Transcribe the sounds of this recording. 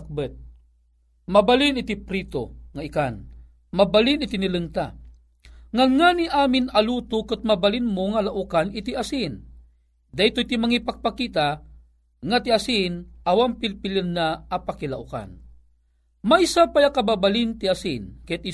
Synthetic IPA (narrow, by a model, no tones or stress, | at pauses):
k̚bət̪̚ | mabalinit̪ipɾit̪o̰ŋaikan | mabalinit̪inilɨŋt̪a̰ | ŋanŋaːniʔaːminaluːt̪ʊkɨt̪̚mabalinmoŋalaʔukanit̪iʔasin | d̪ajt̪oit̪imaŋipak̚pakit̪a | ŋat̪iasinʔawampilpilɨnːaːpakilaʔuka̰n | maisapajakababalint̪iasinkat̪i